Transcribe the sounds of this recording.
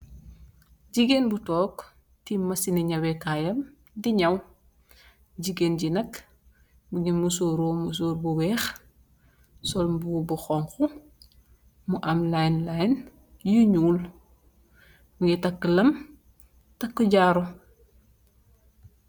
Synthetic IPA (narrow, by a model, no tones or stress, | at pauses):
ɟiɡenbutɔːk | timɐsiniɲɐwekajɐm | diɲɐw | ɟiɡenɟinɐk | muɡinmusoːɾoːmus̬oːɾbuwɛːx | sɔlbubuxɔŋxu | muʔɐmlajnlajn | juɲuːl | muɡɛtɐkːəlɐm | tɐkːuɟaːɾo